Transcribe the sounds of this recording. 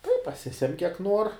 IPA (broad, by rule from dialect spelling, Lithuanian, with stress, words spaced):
tɐɪ pɐˈsʲɪsʲɛmʲ kʲiɛk ˈnuɔr